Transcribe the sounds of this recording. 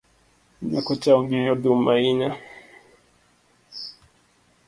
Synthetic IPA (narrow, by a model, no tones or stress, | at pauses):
nakɔt͡ʃauŋɡiɔdumaina